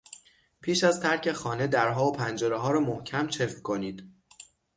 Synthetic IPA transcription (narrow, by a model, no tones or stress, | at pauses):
pʰiːʃæzt̪ʰæɾcʰe̞xɒːne̞d̪æɾɦɒːopʰænd͡ʒeɾeɦɒːɾɒːmohcʰæmt͡ʃʰe̞fkʰo̞niːd̪̥